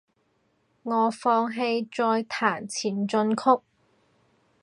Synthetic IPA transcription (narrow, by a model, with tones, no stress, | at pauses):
ŋɔː˨˧fɔː˧ŋɦe˧jt͡sɔː˧jt̪ʰaː˨˩nt͡sʰiː˨˩nt͡sɵ˧nkʰʊ˥k̚